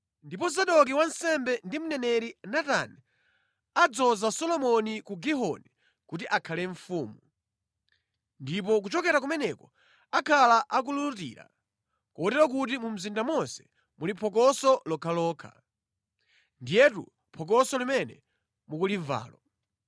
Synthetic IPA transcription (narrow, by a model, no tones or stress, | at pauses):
ndipɔzaɗɔk̬iwansɛmbɛndimunɛnɛɾinata̰ni | ad͡zɔzasɔlɔmɔnikuɡiɦɔ̰ni | kutiʔakʰalɛɱfuːmu | ndip̬ɔk̬ut͡ʃɔkɛɾak̬umɛnɛkɔ | akʰalaʔak̬ululutḭːɾa̰ | kuɔtɛɾwak̬utimum̩zindamɔnsɛ̥ | mulipʰɔk̬ɔsɔlɔkʰalɔːkʰa̰ | ndijɛtṵ | pʰɔk̬ɔsɔlimɛnɛ̰ | mukuliɱva̰ːlɔ